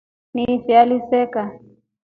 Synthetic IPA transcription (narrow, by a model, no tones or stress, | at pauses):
nifialisɛka